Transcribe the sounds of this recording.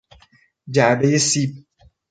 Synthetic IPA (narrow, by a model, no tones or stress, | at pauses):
d͡ʒabejesip̚